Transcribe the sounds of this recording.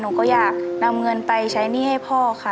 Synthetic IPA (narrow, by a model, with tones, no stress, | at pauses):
nuː˨˦kɔː˥˩jaː˨˩k̚na˧mŋɤ˧npa˧jt͡ɕʰa˦˥jniː˥˩ha˥˩jpʰɔː˧˥˩kʰa˧˥˩